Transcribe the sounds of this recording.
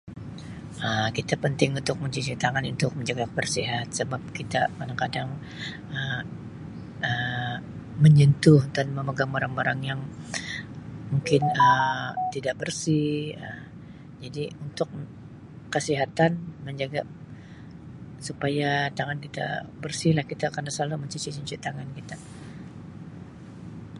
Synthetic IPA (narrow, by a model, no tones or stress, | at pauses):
ʔəkit̪apənt̪ɪŋunt̪ʊk̚məɲt͡ʃit͡ʃit̪aŋanunt̪ʊk̚məɲd͡ʒaɡabərsiɦat̪̚səbap̚kit̪amadaŋkadaŋ | əm | ə | məɲənt̪ʊhdanməməɡaŋaɾaŋbaɾaŋjaŋ | muŋkɪnət̪idaʔbərsihə | d͡ʒadiunt̪ʊk̚ | kːəsiɦat̪anməɲd͡ʒaɡa | supajat̪aŋankit̪a̰bərsɪhlahkit̪akardasaluməɲt͡ʃut͡ʃit͡ʃuɲt͡ʃit̪aŋankit̪a